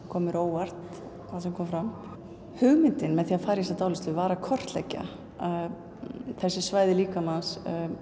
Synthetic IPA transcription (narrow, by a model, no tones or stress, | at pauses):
kʰɔːmʏɾoːwvar̥t̪ | θaðsɛmkʰɔːmfɾam | hʏɣmɪnt̪ɪnmɛðθiːafaːɾjis̬at̪aːwlɪst̪ʏvaːɾakʰɔr̥t̪lɛ̰cːa̰ | θɛsːɪsvaːjðɪliːkamanns